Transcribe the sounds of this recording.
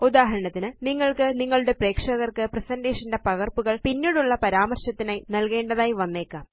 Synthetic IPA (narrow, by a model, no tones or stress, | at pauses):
ud̪aːɦɐɾɐɳɐt̪ːinɨniŋːɐɭkɨniŋːɐɭuɽe̞pre̞ːkʂɐɣɐrkɨpresɐndeːʂɐnde̞pɐɣɐrpuɣɐɭpinːiːɽuɭːɐpɐɾaːmɐrɕɐt̪ːinaːjnɐlke̞ːɳɖɐðaːjiʋɐnːe̞ːkːaːm